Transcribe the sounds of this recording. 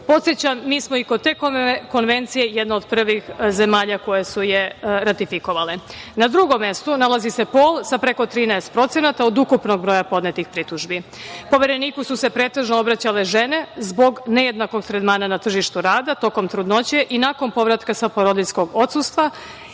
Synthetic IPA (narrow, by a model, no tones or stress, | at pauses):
po̞t̪sjet͡ɕamːiːsmoikot̪ːe̞ːkko̞nʋe̞nt̪sije̞jed̪naod̪pr̩ʋixze̞maːʎako̞jesujeɾat̪ifiko̞ʋalenad̪ɾuɡo̞mːe̞st̪unalazise̞po̞ːlˠsapɾe̞ko̞t̪ɾiːnɛest̪̚pɾo̞t̪se̞nat̪aod̪ukupno̞ɡ̚bɾo̞japo̞d̪net̪ixpɾit̪uʒbi | po̞ʋeɾe̞niːkususe̞pɾeːt̪e̞ʒnoobɾat͡ɕale̞ʒene̞zbo̞ɡneje̞d̪nako̞ɡt̪ɾed̪maːnanat̪r̩ʒiʃt̪uɾaːd̪at̪o̞ko̞mt̪ɾud̪no̞t͡ɕe̞ʔinako̞npo̞ʋɾat̪kasapoɾod̪isko̞ɡo̞t̪sust̪ʋa